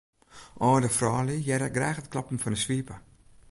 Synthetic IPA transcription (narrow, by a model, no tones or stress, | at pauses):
ʔɔːdəfrɔːlijɛɾəɡrɛːxətklɑpn̩fɔnəsʋiːpə